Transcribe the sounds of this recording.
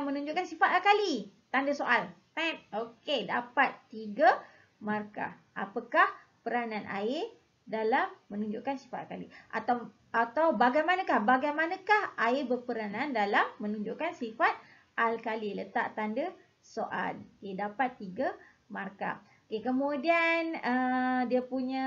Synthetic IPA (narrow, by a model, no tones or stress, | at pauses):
mə̃nuɲd͡ʒʊʔkansifat̪alkalit̪andəsoʔalt̪aokedapat̪ːiɡa | marka̰ | a̰pakah | pəɾananʔa̰ɪr | dalamːə̃nuɲd͡ʒʊʔkansi̥fat̪a̰lkaliʔa̰t̪a | at̪awbaɡajmanãkahbaɡajmanãkahaɪbərpəɾanandalamːə̃nuɲd͡ʒʊʔkansifat̪̚ | alkalilət̪a̰ʔt̪andə | soʔa̰lokedapat̪ːiɡa | marka̰ | okekəmudianədiapuɲã